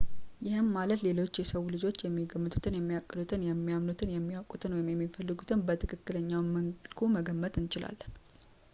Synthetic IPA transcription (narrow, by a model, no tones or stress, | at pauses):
jɪhɨmːalət̪le̞lo̞t͡ʃːjɛsəwulɨd͡ʒo̞t͡ʃːjɛmːiɡəmːɨt̪ʼu̥t̪ʰɨnjɛmːijakʼːɨd̪ut̪ʰɨnjɛmːijamnut̪ʰɨnjɛmːiakʼut̪ʰɨnwɔjɪmjɛmːifəlːɨɡut̪ʰɨnbət̪ʰɨkʰɨkːɨləɲːawməŋlkʰuməɡəmːət̪ʰʼɨnt͡ʃɪla̰lːən